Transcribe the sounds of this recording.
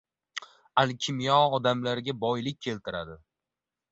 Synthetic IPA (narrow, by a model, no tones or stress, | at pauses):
alkʲʰɪmijɒɒd̪amlaɾɪɡʲabɒjlɪk̚ʲʰːe̞lt̪ʰɪɾa̰d̪ɪ